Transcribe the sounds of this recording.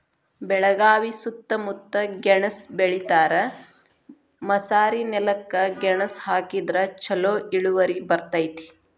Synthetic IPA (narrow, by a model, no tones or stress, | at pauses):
bɛɭɐɡaːʋisut̪ːɐmut̪ːɐɡɛɳɐsbeɭit̪aːɾɐ | mɐsaːɾinɛlɐkːɐɡɛɳɐshaːkid̪ɾɐt͡ʃɐloːʔiɭuʋɐɾibɐɾt̪ɐjt̪i̥